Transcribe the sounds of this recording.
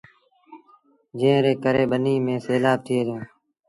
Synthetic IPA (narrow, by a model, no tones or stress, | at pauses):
d͡ʒẽːɾeːkəɾeːɓəniːmẽːseːlaːb̚t̪ʰɪeːɾẽː